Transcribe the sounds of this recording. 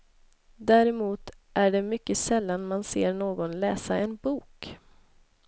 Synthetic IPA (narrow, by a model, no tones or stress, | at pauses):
d̪æːɾɛmuːt̪ | ʔæɖɛmʏkːəsɛlːanmanseːɾɳoːɡɔnlɛːsaʔɛnbuːk